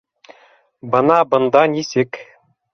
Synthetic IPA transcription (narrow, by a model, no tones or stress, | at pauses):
bɤ̆nɑbɤ̆nd̪ɑnʲisek